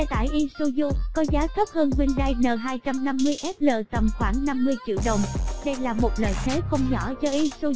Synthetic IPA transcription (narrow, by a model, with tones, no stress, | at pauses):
ɛ˧t̪a̰ː˧˨jʔi˧su˧zu˧kɔ˨˦zaː˨˦kə˦˥p̚həː˧nkwi˧ənɗa˧jnə̰ː˨˩ɦaː˧jt͡ɕa˧mna˧mːɨ˧əjʔɛ˦˥p̚lə̰ː˧˨t̪ə˨˩mxwaː˧˩ŋna˧mːɨ˧əjt͡ɕḭ˧˨əwɗə˨˩wŋ͡mɗə˧jlaː˨˩mo˨˩t̚lə̰ː˧˨jt̪ʰe˨˦xə˧wŋ͡mɲɔ˧˩zɔ˧ʔi˧so˧